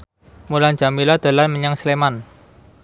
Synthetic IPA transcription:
muland͡ʒ̥a̤milad̪̥a̤lanməɲaŋsleman

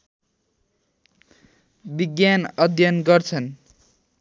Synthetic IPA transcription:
biɡjanʌd̪ʱjʌnɡʌrt͡sʰʌn

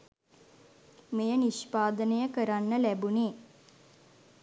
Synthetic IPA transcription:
mejəniʃpaːd̪ənəjəkəɾanːəlæbuneː

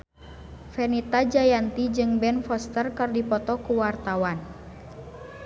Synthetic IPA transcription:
fɛnit̪ad͡ʒajant̪id͡ʒɨŋbɛnfɔst̪ərkɨrdipɔt̪ɔkuwart̪awan

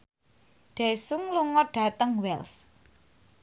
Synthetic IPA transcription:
ɖ̪̥e̤suŋluŋɔɖ̥ä̤t̪əŋwɛls

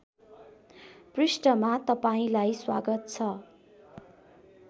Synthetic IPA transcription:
prisʈʌmat̪ʌpaĩlajswa̰ɡʌt̪̚t͡sʰʌ

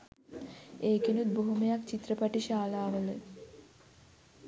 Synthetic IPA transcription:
eːkenut̪̚boɦumejakt͡ɕit̪ːɾəpaʈiʃaːlaːʋole

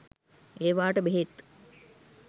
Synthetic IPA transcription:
eːʋaːʈəbeɦet̪

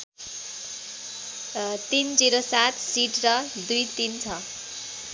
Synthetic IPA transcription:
t̪ind͡ziɾosat̪siʈrʌd̪ujt̪int͡sʰʌ

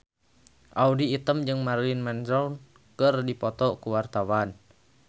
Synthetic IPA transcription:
ʔaudiːt̪əmd͡ʒɨŋmaɾinmɛnɾaun | kɨrdipɔt̪ɔkuwart̪awan

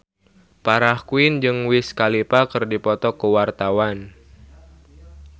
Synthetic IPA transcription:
paɾahkuɪnd͡ʒɨŋwɪskalipakɨrdipɔt̪ɔkəwart̪awan

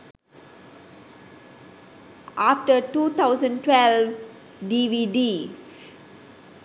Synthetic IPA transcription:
ʔafʈətuːt̪ʰaʊzə̃nʈwɛlv | ɖiʋiɖi

